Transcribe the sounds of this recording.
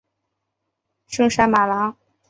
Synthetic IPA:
ʂɤ˥˧ŋʂa˥ma˨˩la˧˥˦ŋ

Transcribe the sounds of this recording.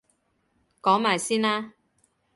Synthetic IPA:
kɔː˨˥ŋmaː˨jsiː˥naː˥

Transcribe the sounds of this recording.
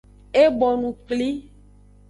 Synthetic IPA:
e˦bɔ˨nũ˨k͡pli˦

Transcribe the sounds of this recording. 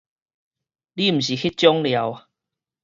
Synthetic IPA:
li˦m̩˨˩ɕi˨˩xi˦t͡ɕjɔ˦ŋlja˨˦w

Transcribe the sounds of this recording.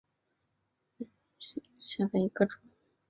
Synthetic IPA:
ɕja˥˧d̪a˥˩i˧˥ɡə˥˧ʈ͡ʂʊ˨˩˦

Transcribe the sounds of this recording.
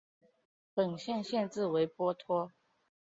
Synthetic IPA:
pə˨˩nɕjɛ˥˧nɕjɛ˥˧nt͡sɹ̩˥˩we˧˥ɪpwɔ˥t̪ʰwɔ˥

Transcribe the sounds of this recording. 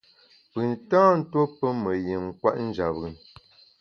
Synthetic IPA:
pɯ˨ntãː˦n̩˦two˦pə˦mə˨je˨ŋŋ̩˨kwa̰˦ʔn̩˦d͡ʒa˨bɣə˨n

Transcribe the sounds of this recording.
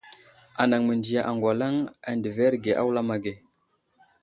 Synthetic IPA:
a˨na˨ŋmə˨ndi˨ja˨ʔa˨ŋɡwa˨la˦ŋa˨ndə˨ve˦ɾɡe˨ʔa̰˦wla˦ma˨ɡe˨

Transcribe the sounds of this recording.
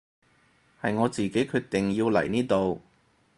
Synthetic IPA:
hɐ˨jŋɔː˨˧t͡siː˨ke˨˥kʰyː˧t̚t̪ɪ˨˩ŋjiː˧wlɐ̰˨˩jniː˥t̪o˨w

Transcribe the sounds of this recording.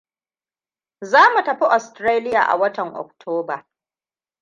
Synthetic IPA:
zaː˦mu˨tɐ˨ɸi˦ʔɔ˨stɾaː˦lɪ˦ja̰ː˨ʔa̰˨wɐ˦tɐ˨ŋʔɔ̰˨k̚tʰoː˦baː˨

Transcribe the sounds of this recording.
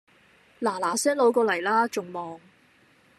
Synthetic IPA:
laː˨˩laː˨˩sɛː˥ŋlo˨˥wkɔː˧lɐ˨˩jlaː˥t͡ʃʊ˨ŋmɔː˨ŋ

